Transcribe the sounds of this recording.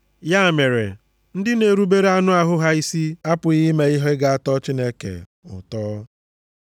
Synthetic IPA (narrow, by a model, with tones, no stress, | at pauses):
ja˦˨me˨ɾḛ˨ | n̩˦dɪ˦ne˨ɾu˦be˦ɾe˦a˦nʊ˦a˦ɦʊ˦ɦa˦i˦si˦a˦pʊ˨ɣi˦me˨ɪ˦ɦɔ˦ɡa˨a˦tɔ˦t͡ʃi˦ne˦kḛ˨ | ʊ̰˨tɔː˦